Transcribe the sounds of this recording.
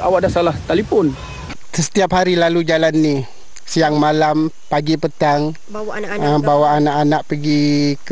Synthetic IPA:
a̰waʔdasalaht̪alifɔn | səə̥t̪iap̚haɾilalud͡ʒalanːi | sijaŋmalam | paɡipət̪aŋ | əbawaʔanaʔanaʔpəɡik

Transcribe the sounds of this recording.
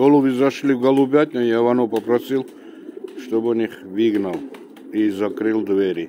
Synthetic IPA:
ɡɔlˠubizɐʃlʲivɡɐlˠubʲat̚ʲnɔjavɐnɔpɐpɾɐsilˠ | ʃt̪ɔbɔniχviɡnɐlˠ | izakɾɨlˠd̪vɛɾʲi

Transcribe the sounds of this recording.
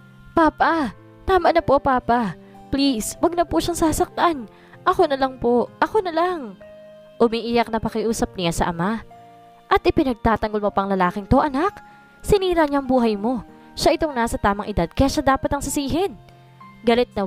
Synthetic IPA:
paːpɐ | t̪aːmɐʔnɐpo̞paːpɐ | pliswɐɡ̚nɐpuʃaŋsaːsɐk̚t̪an | ʔɐko̞nɐlɐŋpo̞ʔɐko̞nɐlaŋ | ʔʊmiːʔijɐk̚nɐpɐkɪʔuːsɐp̚nɪjasɐ̰ʔɐma | ʔɐt̪ʔɪpɪnɐɡ̚t̪aːt̪ɐŋɡo̞lmo̞pɐŋlɐlaːkɪŋt̪oʔɐnak | sɪniːɾɐɲaŋbuːɦɐjmo̞ | ʃaʔɪt̪o̞ŋnaːsɐt̪aːmɐŋʔɪd̪ad̪̚kɐjaːʃad̪aːpɐt̪ɐŋsɐsiːɦɛn | ɡɐlɛt̪̚nɐ

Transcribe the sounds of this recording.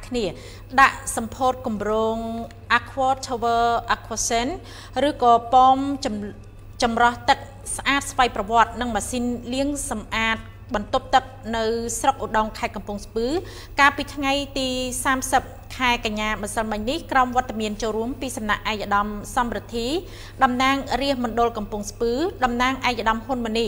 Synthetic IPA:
kʰniə | ɗaʔsɑmpʰoːt̪̚kumroːŋ | ʔakʰʋɔːt̪ʰoʋəʔakʰʋɔsɛn | rɨːkɑːpɑːm | t͡ɕɑmrɑht̪ɨk̚ | sʔaːt̪̚sʋajprɑʋŏət̪̚nɨŋmaːsiːnliəŋsɑmʔaːt̪̚ | ɓɑnt̪up̚t̪ɨk̚nɨwsrok̚ʔoɗɑŋkʰaɛt̪̚kɑmpŭəŋspɨː | kaːlpiːt̪ʰŋajt̪iːsaːmsəp̚kʰaɛkaɲːaːmɨsəlmɨɲnihkraɔmʋŏət̪ːamiənt͡ɕoːlruəmpiːsɑmnaʔːaɛk̚ʔaɗɑmsɑmrɨt̪ʰːiː | ɗɑmnaːŋriəhmɔnɗolkɑmpŭəŋspɨːɗɑmnaːŋʔaɛkʔaɗɑmhunmɨ̆nih

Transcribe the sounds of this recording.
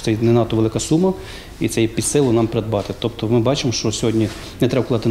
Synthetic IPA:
t̪ɛjnɛnɑt̪ɔʋelˠɪkɐsumɐ | it̪sɛjpʲid̪sɪlˠʊnɑmpeɾɛd̪̚bɑt̪ɪt̪ɔpt̪ɔmɪbɑt͡ʃɪmɔʃt͡ʃɔsʲɔɦɔdʲnʲi | nɛt̪ɾɛbɐkʊlˠɑt̪ɪ

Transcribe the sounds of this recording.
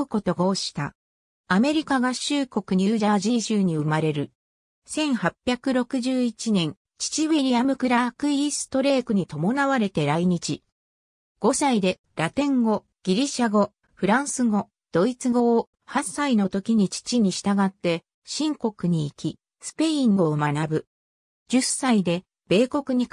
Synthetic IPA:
ɯko̞t̪o̞ɡoɕi̥t̪a̰ | ame̞ɾʲikaɡaɕɨːko̞kɯɲ̟iɯːʑaʑiɕɨːɲ̟iɯ̟maɾe̞ɾɯ̟ | sẽ̞ɰ̃hapʲːjakɯ̟ɾo̞kɯ̟ʑɨːit͡ɕinẽ̞ŋ | t͡ɕi̥t͡ɕiβeɾʲiamɯ̟kɯ̟ɾakɯ̟isɨ̥t̪o̞ɾe̞ːkɯ̟ɲ̟it̪o̞mo̞naβaɾe̞t̪e̞ɾaiɲ̟it͡ɕi | ɡ̥o̞said̪e̞ | ɾat̪ẽ̞ŋɡo̞ | ɡ̥ʲiɾʲiɕaɡo̞ | ɸɯ̟ɾãɰ̃sɨɡo̞ | d̪̥o̞it͡sɨɡo̞ː | hassaino̞t̪o̞kʲiɲ̟it͡ɕi̥t͡ɕiɲ̟iɕi̥t̪aɡat̪ːe̞ | ɕĩŋko̞kɯ̟ɲ̟iːkʲi | sɨ̥pe̞ĩŋɡo̞ːmanabɯ̟ | d͡ʑɨsaid̪e̞ | b̥e̞ːko̞kɯ̟ɲ̟i

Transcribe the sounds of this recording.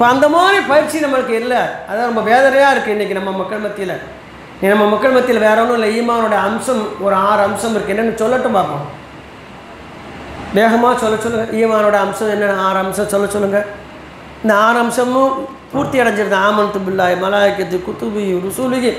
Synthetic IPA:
ɪpːoɐnd̪ɐmaːɾipɐjɪɾt͡ʃinɐmːɐɭɯkːɯɪlːɐɐðaːɾɔmbɐʋeːðɐɾɐjaːɪɾɯkːɯɪnːɪkːinɐmːɐmɐkːɐɭbɐt̪ːɪjɪlɐ | nĩːnɐmːɐmɐkːɐɭbɐt̪ːɪlɐʋeːɾɐʋɐnʊ̃ɪlːɐiːmaːnoːɽɐjɐɐmsɐmɔɾɯaːɾɐːmsɐmɪɾɯkːɛnɳːɖɐnɯsɔlːɐʈːɯ̃paːpõ̰ː | d̪eːɣɐmaːsɔlːɐt͡ʃɔlːɯŋɡɐʔiːmaːnoːɽɐjɐɐmsɐmɛnːɐnaːɾaːmsɐ̃msɔlːɐsɔlːɯŋɡɐ | ɪnd̪ɐaːɾaːmsɐm̃ | puːɾt̪ɪɐɽɐɲd͡ʒɪɾɯnd̪aːmɐnt̪ːɯbɪlːaːjmɐlaːjɪkːɐt̪ːɯkʊt̪ːubijɾʊsulɪɣi

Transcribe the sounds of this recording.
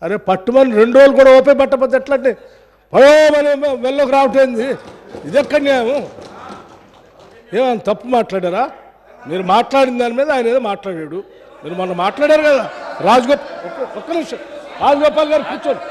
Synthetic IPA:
ɐɾeːpɐʈːumɐniɾe̞ɳɖuʋoluk̬uːɽaːop̬ejpɐʈːɐp̬ɐt̪̬ɛʈlɐɳʈːi | pɐlajamɐneʋɛlːoːk̬iɾaːwuʈ̬eind̪i | id̪ɛkːɐnjaːjɐmu | eːmaːjnɐt̪ɐpːumaːʈlaːɽaːɾaː | miːɾumaːʈlaːɽind̪aːnimiːd̪ɐaːjnɐeːd̪emaːʈlaːɽaːɽu | miːɾumɔnːɐmːaːʈlaːɽaːɾukɐd̪aːɾaːd͡ʒɐɡɔːpɔkːɔkːɐniʂɐɾaːd͡ʒɐɡɔːpaːlɡaːɾipuːt͡ʃɐɾu

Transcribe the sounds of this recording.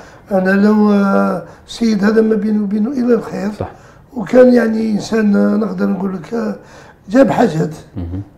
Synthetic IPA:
ʔænæləw | səjːəd̪hæd̪æmæbinubinuʔəlːælxiɾ | wkænjaʕniʔənsænnəqd̪əɾˤnɡulːək | d͡ʒæbħaʒæt̪

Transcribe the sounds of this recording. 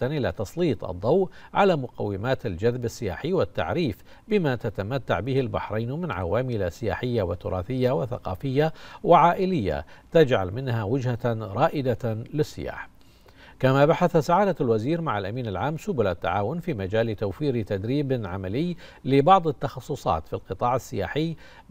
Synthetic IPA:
anʔɪlat̪ɑsˤliːt̪ˤʔɑ̰d̪ˤːɑwʔʕalaːmʊqa̰wːɪmaːt̪ald͡ʒaðbasːɪja̰ːħiːwɪt̪ːa̰ʕɾiːf | bɪmat̪at̪amat̪ːa̰ʕbɪhɪlba̰ħɾˤɑjnmɪnʕa̰waːmɪlasɪja̰ːħɪjːawɪt̪ːʊɾˤɑ̰ːθɪjːawɪθa̰qɑ̰ːfɪjːawɪʕaːʔɪlɪjːa̰t̪ad͡ʒʕa̰lmɪnhawɪd͡ʒhaɾˤɑːʔɪd̪alɪsːɪ̰ja̰ːħ | kamabaħaθasaʕaːd̪alwaziːɾmaʕalʔamiːnalʕaːmsʊbʊlat̪ːa̰ʕaːwʊnfiːmad͡ʒaːlɪt̪awfiːɾt̪ad̪ɾiːbʕamalɪj | lɪbɑʕd̪ˤɪt̪ːɑxɑsˤːʊsˤɑ̰ːt̪filqɨt̪ˤɑːʕasːɪja̰ːħɪj

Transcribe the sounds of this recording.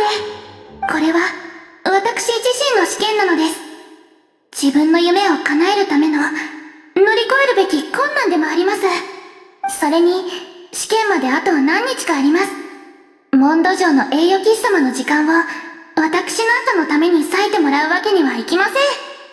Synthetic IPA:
ne | ko̞ɾe̞βaβat̪akɯ̟̥ɕiʑiɕĩnːo̞ɕi̥kẽ̞nːano̞d̪e̞sɨ̥ | d͡ʑ̥ibɯ̟̃nːo̞jɯ̟me̞o̞kanae̞ɾɯ̟t̪ame̞no̞ | no̞ɾʲiko̞e̞ɾɯ̟be̞kʲikõ̞nːãnd̪e̞mo̞aɾʲimasɨ | so̞ɾe̞ɲ̟iɕi̥kẽ̞mmad̪e̞at̪o̞βanãɲ̟ːit͡ɕi̥kaːɾʲimasɨ̥ | mõ̞nd̪o̞ʑo̞ːno̞ʔe̞ːjo̞ːɡʲist̪amano̞ʑikãɰ̃βaβat̪akɯ̟̥ɕino̞asano̞t̪ame̞ɲ̟isaet̪e̞mo̞ɾaɯ̟βake̞ɲ̟iβaikʲimasẽ̞ɴ

